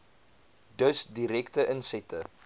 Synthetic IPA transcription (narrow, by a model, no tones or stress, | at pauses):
dəsdiɾɛktəʔənsɛtə